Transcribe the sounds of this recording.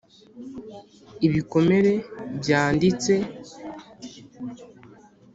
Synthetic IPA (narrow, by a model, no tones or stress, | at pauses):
iβiko̞me̞ɾe̞bjaːndit͡se̞